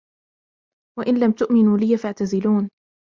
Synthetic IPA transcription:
waʔɪnlamt̪ʊʔmɪnuːlɪːafaʕt̪azɪluːn

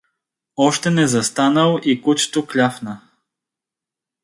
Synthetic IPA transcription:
ɔʃt̪ɛnɛzɐst̪anəlˠʔikut͡ʃt̪oklʲafnə

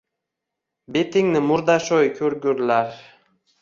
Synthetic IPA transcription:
bet̪ʰɪŋnɪmʊɾd̪aʃojkʲʰɵɾɡʲʊɾlaɾ

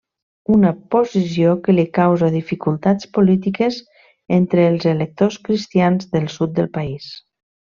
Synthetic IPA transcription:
unəpozisjokəlikawzaðifikulˠt̪at͡spolit̪ikəz | ent̪ɾəːlˠzelək̚t̪oskɾist̪ianzðəlˠsut̪̚d̪əlˠpais

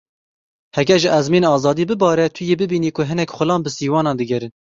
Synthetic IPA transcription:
hɛɡʲɛɾʒɪʔɛzmiːnɑːzɑːd̪iːbɨbɑːɾɛt̪ʰʊjeːbɨbiːniːkʰʊɦɨnɛkχʊlɑːnbɨsiːwɑːnɑːnd̪ɨɡʲɛɾɨn

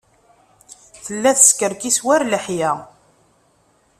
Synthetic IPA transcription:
θəlːæθəskəɾkiswæɾləħjæ

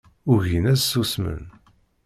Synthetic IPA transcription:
ʊʝinæzsusmə̰n

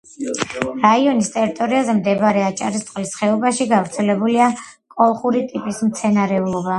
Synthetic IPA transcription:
ɾaiɔnist̪ʼɛɾit̪ʼɔɾiazɛmd̪ɛbaɾɛat͡ʃʼa̰ɾist̪ʼqʼlisχɛɔbaʃiɡavɾt̪sʰɛlɛbuliakʼɔlˠχuɾit̪ʼipʼismt̪sʰɛnaɾɛulˠɔba

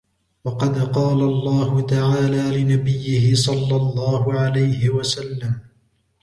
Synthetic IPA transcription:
wɑqɑd̪qɑːlalˤːɑːhʊt̪aʕaːlaːlɪnabɪjːɪhɪsˤɑlːɑlˤːɑːhʊʕalajhɪwasalːam

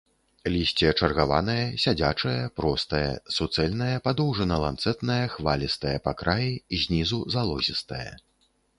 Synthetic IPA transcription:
lʲisʲt͡sʲɛɐt͡ʂɐrɣava̰nɐjɐsʲad͡zʲat͡ʂɐjɐpɾɔst̪ɐjɐ̰sut̪sɛlʲn̪ɐjɐpad̪ɔwʐɐnɐlˠant̪sɛt̪nɐjɐxvalʲist̪ɐjɐpakɾajiizʲnʲizuzalˠɔzʲist̪ɐ̰jɐ̰

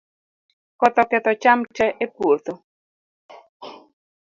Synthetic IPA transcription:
kɔt̪ɔkɛt̪ɔt͡ʃamt͡ʃɛʔepwot̪o

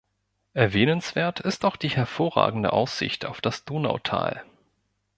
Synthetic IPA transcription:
ʔɛɐvɛːnənsv̥eːɐtʰɪstaʊxd̥iːhɛɐfoːɐʁa̰ːɡŋ̩də̰ʔaʊsz̥ɪ̰çtaʊfd̥asd̥oːna̰ʊtʰa̰ːl

